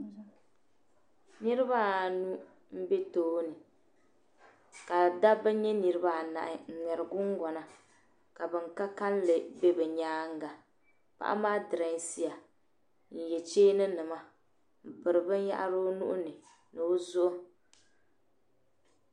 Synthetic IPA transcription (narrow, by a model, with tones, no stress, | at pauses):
nɨ˦ɾɪ˦ba˦˨nu˦ | m̩˦be˦toː˦nɨ˨ | ka˨da˦bɨ˦ɲɛ˦nɨ˨ɾɨ˦ba˦˨na̰˨ʔɪ˨ŋ̩˨ŋɛ˨ɾɨ˨ɡʊ˦ŋ˦ɡɔ˨na˨ | ka˨bɨ˨ŋka˦ka˦n˦lɨ˨be˦bɨ˨ɲaː˦ŋ̩˦ɡa˨ | pa̰˦˨ʔa̰˦maː˦dɨ˨ɾa˨˦si˨a˨ | n̩˨jɛ˨t͡ʃeː˦nɨ˦nɨ˨ma˦ | m̩˨bɨ˨ɾɨ˨bɨ˦n˦ja̰˦ʔa˦ɾo˦nṵ˦ʔʊ˦nɨ˨ | nɨ˨o˦zʊ˦ʔʊ˦